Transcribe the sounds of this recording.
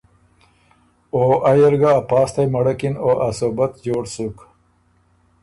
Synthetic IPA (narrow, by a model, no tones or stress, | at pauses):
oʔajelɡaːpɑːst̪ajmɐɽakinoʔasobat̪d͡ʑoːɽsuk